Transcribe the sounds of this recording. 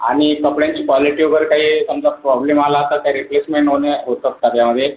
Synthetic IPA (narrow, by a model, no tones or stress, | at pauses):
a̰ɽ̃ikəpɽjãɲt͡ɕiːkʋɔliʈioɡəɾkaɦiːsəmd͡zapɾɔblemalaət̪at̪jaɾiplesmeɳʈɦoneɦot̪ət̪ːat̪jaməd̪ʱːje